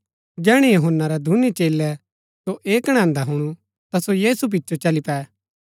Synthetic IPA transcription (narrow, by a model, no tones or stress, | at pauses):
d͡ʒɛːɽ̃ɛjoɦənːaɾɛd̪ʱunit͡ʃeːlɛ | soʔeːkəɽ̃ãːnd̪aɦʊɽ̃u | t̪asojiːsup̬ɪtːt͡ʃot͡ʃɐlipɛː